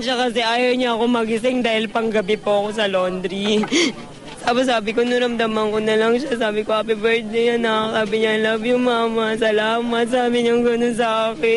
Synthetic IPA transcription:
nʃɐkɐsɛʔaːjɐwɲɐʔɐko̞mɐɡɪsɪŋd̪aːhɪlpɐŋɡɐbɪpoʔɐko̞sɐlond̪ɾi | saːbɪs̬aːbɪkonʊɾɐmd̪ɐmɐŋkonɐlɐŋʃasaːbɪkoɐpɪbɛɾt̪̚d̪ejɐnɐsaːbɪɲɐlɐvjʊŋmaːmɐsɐlaːmɐt̪̚sɐʔaːmɪɲɐŋɡɐnoŋs̬ɐʔaːkɪ

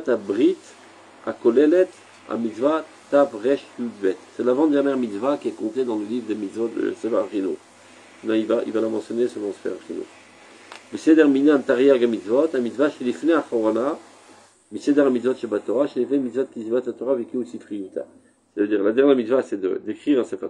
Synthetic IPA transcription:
t̪abʁit̪ | a̰kɔlɛlɛt̪ | a̰mit̪zva | t̪avʁɛʃlud̪bɛt̪sɛlavɑ̃d̪ɛʁnjɛʁmit̪svakʲiɛkɔ̃t̪ed̪ɑ̃ləlivʁd̪əmit̪zvɔt̪̚d̪ə̰sevaʁʁino̰ | ɛnɑ̃ivaʔḭvalamɑ̃sjɔnesəvɑ̃sfɛ̰ʁʁino̰ | vised̪ɛʁmineɛ̃t̪aʁjɛʁɡamit̪zvɔt̪amit̪zvaʃelifneaχɔʁana | mised̪aʁamit̪zvɔt̪ʃebat̪ɔʁaʃelifnemit̪zvɔt̪̚kʲizibat̪lat̪ɔʁavɛkiosifχiit̪a̰ | sɛt̪avəd̪iʁlad̪ɛʁnjɛʁmit̪zvasɛd̪ə̰d̪ekχiʁɛ̃sefa

